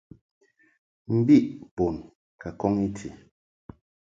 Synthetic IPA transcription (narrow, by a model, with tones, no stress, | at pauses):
m̩˦bi˦ʔbo˨n | ka˨kɔ˦ŋi˦tʰi˨